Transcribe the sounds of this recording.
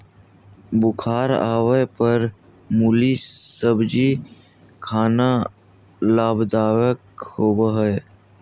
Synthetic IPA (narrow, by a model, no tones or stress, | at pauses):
bʊkʰaːɾaːwəpəɾ | mulisəbd͡ʒi | kʰaːna | laːbd̪aːwəkhoːwaɦɛː